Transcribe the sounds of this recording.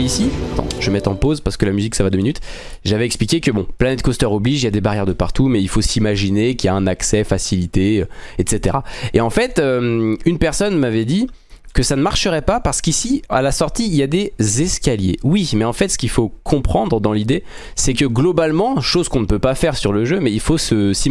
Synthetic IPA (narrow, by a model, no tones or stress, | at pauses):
isiat̪ɑ̰̃ʒəmɛt̪ɑ̃pozpaʁsə̥kəlamyziksavad̪əminyt̪ | ʒavɛɛksplikʲekəbɔ̰̃planɛt̪̚kɔst̪œʁɔbliʒiljad̪ebaʁjɛʁd̪əpaʁt̪umɛilfosimaʒinekʲiljaɛ̃naksɛfasilit̪eøɛt̪set̪eʁaeɑ̃fɛt̪ømynpɛʁsɔnmavɛd̪i | kəsanəmaʁʃəʁɛpapaʁsə̥kisialasɔʁt̪iːljad̪ezɛskʲaljḛwimɛɑ̃fɛt̪sə̥kʲilfokʰɔ̃pχɑ̃d̪ʁəd̪ɑ̃lid̪e | sɛkəɡlɔbalmɑ̃ʃozkɔ̃nəpøpafɛʁsyʁləʒømɛilfosəsi